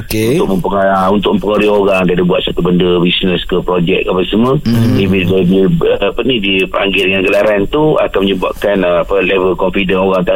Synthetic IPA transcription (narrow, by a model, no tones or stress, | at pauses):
ut̪ʊk̚məmpəŋunt̪ʊk̚ʔməmpəŋəɾioɾaŋdiadibuat̪̚sat̪ubəndəbisnəskəpɾod͡ʒɛk̚kapasəmənibidadiəpanidipəɾa̰ŋɡɪldəŋanɡəlaɾant̪ua̰kanməɲəba̰ʔ̚kanəapəlevəlkɔmfidənoɾaŋt̪a